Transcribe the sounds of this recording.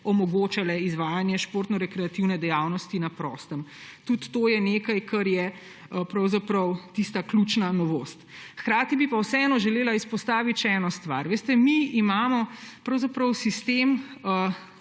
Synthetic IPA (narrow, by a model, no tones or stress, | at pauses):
ɔmɔɡoːt͡ʃalɛizʋaːjanjɛʃpoːɾt̪nɔɾɛkɾɛat̪iwnɛd̪ɛjaːwnɔst̪inapɾɔ̰st̪əmt̪ut̪ːojɛnekajkɐɾjɛ | pɾɐwzapɾɐwt̪ist̪aklut͡ʃnanɔʋoːst̪xkɾaːt̪ibipawsɛɛnɔʒɛleːlaispɔst̪aːʋit̪ʃɛɛnɔst̪ʋa̰ɾʋeːst̪ɛmiimaːmɔpɾɐwzapɾɐwsist̪emə